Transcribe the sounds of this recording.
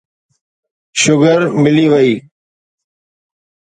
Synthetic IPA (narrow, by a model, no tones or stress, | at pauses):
ʃʊɡəɾmɪliːʋəiː